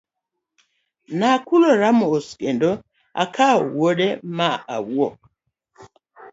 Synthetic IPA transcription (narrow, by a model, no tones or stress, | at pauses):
nakuloɾamooskendo | a̰kʰaowodemaa̰wɔ